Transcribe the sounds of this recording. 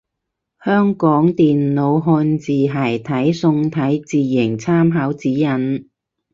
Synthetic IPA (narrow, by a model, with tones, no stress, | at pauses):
hœː˥ŋkɔː˨˥ŋt̪iː˨nlo˨˧wɦɔː˧nt͡siː˨ɦɐ˨˩jt̪ʰɐ˨˥jsʊ˧ŋt̪ʰɐ˨˥jt͡siː˨˩jɪ˨˩ŋt͡sʰaː˥mɦaː˨˥wt͡siː˨˥jɐ˨˩n